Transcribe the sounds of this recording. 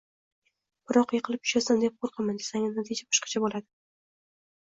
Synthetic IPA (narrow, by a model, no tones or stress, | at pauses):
b̥ɪɾɒqjeqʰɨlˠɪp̚ʰʊ̥ʃasand̪ep̚qʰoɾqʰɨmand̪e̥saŋɪnat̪ʰid͡ʒabɒ̥ʃqʰɑ̥t͡ʃʰabolad̪ɪ